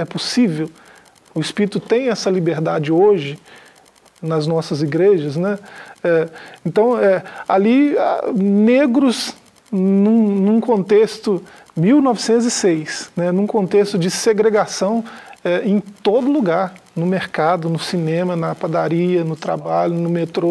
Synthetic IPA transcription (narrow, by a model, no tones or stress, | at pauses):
ɛposivew | ʊispiɾit̪ʊt̪ẽj̃ɛsɐlibeɾd̪ad͡ʒɪoʒɪ | nɐznɔsɐziɡɾeʒɐznɛɛẽnt̪ɐ̃w̃ɛa̰lia̰neɡɾʊz | nũnũkõnt̪est̪ʊ | miwnɔvɪsẽnt̪ʊzɪsejsnɛnũkõnt̪est̪ʊd͡ʒɪseɡɾeɡasɐ̃w̃ɛẽj̃t̪od̪ʊluɡaɾnʊmeɾkad̪ʊnʊsinẽmɐnɐːpad̪aɾiɐnʊt̪ɾa̰baʎʊnʊmet̪ɾo